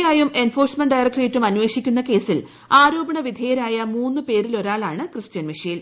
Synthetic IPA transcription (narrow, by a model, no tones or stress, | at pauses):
jaːjume̞nfo̞ːrsmeɳɖɐjrɐkʈreːtːumɐnːʋe̞ːʂikʲːunːɐke̞ːsil | aːɾuːbɐɳɐʋid̪ʱeːjɐɾaːjɐmuːnːɨpe̞ːɾilo̞ɾaːɭaːɳɨkrɨɕt͡ɕɐnʋiʂɐjil